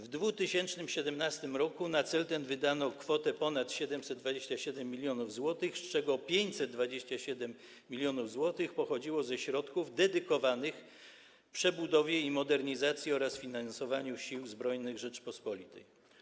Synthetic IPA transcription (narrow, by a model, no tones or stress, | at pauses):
vd̪vut̪ɘɕɛnt͡ʂnɘmɕɛd̪ɛmnast̪ɘmɾɔkunat̪sɛlt̪ɛnvɘd̪anɔkfɔt̪ɛpɔnat̪ɕɛd̪ɛmsɛd̪̚d̪vad͡ʑeɕt͡ɕaɕɛd̪ɛmːʲilʲjɔnuvzwɔt̪ɘxst͡ʂɛɡɔpʲjeɲt͡ɕsɛt̪̚d̪vad͡ʑeɕt͡ɕaɕɛd̪ɛmːʲ | ilʲjɔnuvzwɔt̪ɘxpɔxɔd͡ʑiwɔzɛɕɾɔt̪kuvd̪ɛd̪ɘkɔvanɘx | pʂɛbud̪ɔvʲjɛimɔd̪ɛɾɲizat̪sʲjiɔɾasfʲinansɔvaɲuɕiwzbɾɔjnɘɣʐɛt͡ʂpɔspɔlʲit̪ɛ̰j